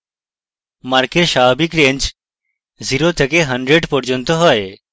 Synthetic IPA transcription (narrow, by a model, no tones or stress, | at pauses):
maɾkeɾʃaːbikɾẽnt͡ʃ | ziɾot̪ʰekeɦɐɳɖɾeɖpɔɾd͡ʒont̪oɦɔe